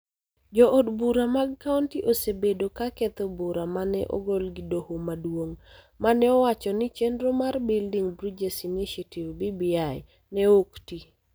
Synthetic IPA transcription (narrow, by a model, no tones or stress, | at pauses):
d͡ʒɔʔodbuɾamaɡkauntiʔosebedokakɛt̪obuɾamanɛ̰ʔɔ̰ɡolɡɪdohomadwoŋ | manɛɔwat͡ʃɔnɪt͡ʃendɾomarbɪldiŋbɾid͡ʒesiniʃativbibiaj | nɛokti